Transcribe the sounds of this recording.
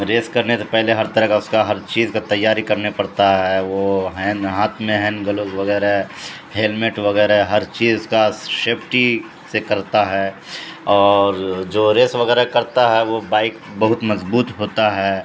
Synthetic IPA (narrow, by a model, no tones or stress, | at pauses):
ɾeːskɐɾnesepɛɦleɦɐɾt̪ɐɾəɦkaʊskaɦɐɾt͡ʃiːzkat̪ɐjːaːɾikɐɾnepɐɽt̪aɦɛʋoɦɛnɦaːt̪ʰmẽɦɛ̃ːnɡɐloːzʋɐɣɛːɾaɦɛ | ɦeːlmeʈʋɐɣɛːɾɦɛɦɐɾt͡ʃiːzʊskaʃeːpʰʈi | sekɐɾt̪aɦɛː | ɔːɾd͡ʒoːɾeːsʋɐɣɛːɾakɐɾt̪aɦɛʋobaːɪk | bɐɦʊt̪mɐzbuːt̪ɦoːt̪aɦɛː